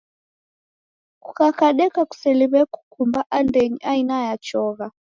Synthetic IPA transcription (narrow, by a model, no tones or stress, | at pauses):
kukakaɗɛkaku̥sɛliβɛku̥kʰumbaʔandeɲiʔainajat͡ʃɔːɣa